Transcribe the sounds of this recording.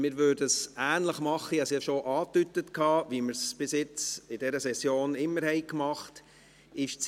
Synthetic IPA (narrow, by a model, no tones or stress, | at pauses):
mɪːɾʋøːdəsæːnləχmɑχəjɑsɑʃoʔɑːt̪ytətkʰɑːviːməɾsb̥ɪsjɪt͡sɪdɛɾəsɛsjoːnɪmːəɾhɛɪkmɑχt | ɪʃt͡s